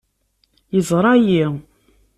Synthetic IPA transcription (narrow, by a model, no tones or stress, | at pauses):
jəzˤɾˤɑji